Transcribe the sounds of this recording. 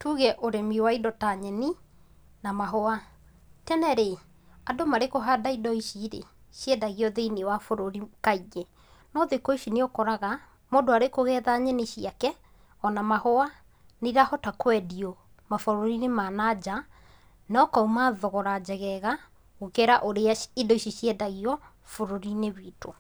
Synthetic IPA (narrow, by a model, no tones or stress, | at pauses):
tuɣɛʔoɾemiwaidɔtaɲɛni | namaɦɔa | tɛnɛɾe | adomaɾekoɦadaidɔiʃiɾḛ | ɕɛdaɣiɔðeiniwafoɾoɾikaiɣɛ | nɔðekɔiʃineɔkɔɾaɣa | modoaɾekoɣɛːðaɲɛneʃiakɛ | ɔnamahɔa | neɾahɔtakwɛdiɔ | mafoɾoɾinemanad͡ʑa | nɔkaumaðɔɣɔɾad͡ʑɛɣɛɣa | ɣokɛɾaʔoɾeaidɔiʃiɕiɛdaɣiɔ | foɾoɾineβiːto